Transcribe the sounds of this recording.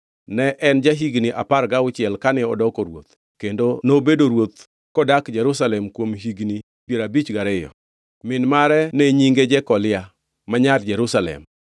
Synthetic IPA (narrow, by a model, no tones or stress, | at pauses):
nɛʔɛnd͡ʒaɦiɡniʔa̰paɾɡaʊt͡ʃɪɛlkanɪɔdɔkɔɾwo̰t̪ | kendonobedoɾwot̪ | kɔdakd͡ʒɛɾusalɛmkwomɦiɡni | pjeɾabit͡ʃɡaɾɪjɔ̰ | mɪnmaɾɛnɛɲiŋɡed͡ʒɛkɔlɪa | maɲard͡ʒɛɾusalɛ̰m